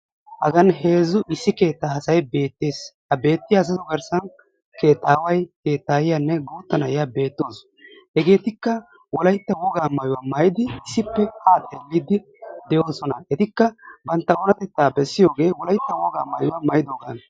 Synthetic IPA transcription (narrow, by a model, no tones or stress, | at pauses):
hɐ̰ɡɐnɦe̞ːzːʊʔɪsːɪke̞ːt̪ːaːɐsɐjbe̞ːt̪ːeːshɐbe̞ːt̪ːɪjaːs̬ɐt̪ʊɡɐɾsɐn | ke̞ːt̪ːaːwɐjke̞ːt̪ːaːjɪjanːɛɡoːt̪ːɐnɐjabe̞ːt̪ːoːs | hɛɡe̞ːt̪ɪkːɐ | wɔlɐjt̪ːɐwɔɡaːmɐjʊwamɐjɪd̪ɪːsːɪpːɛhaːt̪ʼeːlːiːd̪ɪ | d̪ɛjo̞ːsɔnɐɛt̪ɪkːɐbɐnt̪ːɐɔnɐt̪ɛt̪ːaːbɛsːɪjo̞ːɡe̞ːwɔlɐjt̪ːɐwɔɡa̰ːmɐjʊwamɐjɪd̪oːɡaːn